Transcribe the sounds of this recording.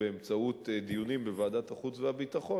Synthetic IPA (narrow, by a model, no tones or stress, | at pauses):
eemt͡saut̪d̪ijunimbevaːdat̪haχut͡svehabit̪aχo̞